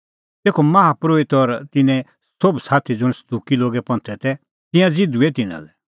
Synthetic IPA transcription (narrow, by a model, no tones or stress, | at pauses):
t̪eːkʰomɐɦapɾoːɪt̪ɔɾt̪ɪnɛ̃ | sobsaːt̪ʰid͡zʊɽ̃sɐd̪uːkiloːɡɛpɐ̃nt̪ʰɛt̪ɛ | t̪ɪ̃jãd͡zɪd̪uet̪ɪnã̰lɛ